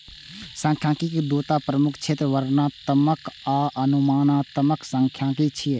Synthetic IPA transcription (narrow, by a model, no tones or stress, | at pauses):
sə̃ŋkʰjãːkikid̪oːt̪apɾəmʊkʰt͡ʃʰeːt̪ɾəʋəɾnãt̪əməkaːʔənumaːnãːt̪əməkʰsə̃ŋkʰjãːkit͡ʃʰie